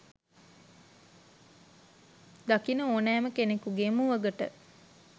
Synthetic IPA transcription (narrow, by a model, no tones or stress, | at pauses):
d̪akinəoːnæːməkenekuɡemuʋəɡəʈə̰